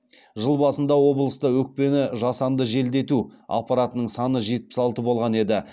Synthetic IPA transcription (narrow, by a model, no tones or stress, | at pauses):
ʒəlˠbɑsənd̪ɑwo̞blˠəst̪əwɵk̚pe̞nɪʒɑsɑnd̪əʒe̞ld̪e̞t̪ua̰pːɑɾat̪ənəɴsɑnəʒe̞t̪̚pɪ̥sɑlˠt̪əbo̞lˠʁɑne̞d̪ɪ